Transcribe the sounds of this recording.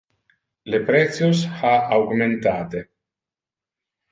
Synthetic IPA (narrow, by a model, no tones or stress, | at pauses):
lepɾɛt̪sjosaawɡment̪aːt̪e